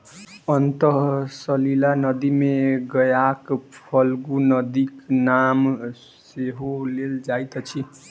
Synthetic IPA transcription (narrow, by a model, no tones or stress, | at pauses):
ʌnt̪ʌsʌlilanʌd̪imeɡʌjakpʰʌlɡunʌd̪iknam | seɦoleld͡zajt̪ʌt͡sʰi